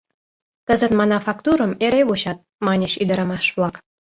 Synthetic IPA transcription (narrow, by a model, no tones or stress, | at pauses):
kəzə̆t̪mɑnɑfɑkt̪uɾə̆meɾeβuɕɑt̪̚mɑnʲeɕyd̪ɑɾɑmɑʃβlˠɑk